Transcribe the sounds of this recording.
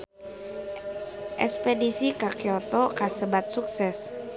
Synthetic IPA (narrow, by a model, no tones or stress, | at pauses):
ʔɛ̰spedisikakiɔt̪ɔkasəbat̪̚suk̚sɛs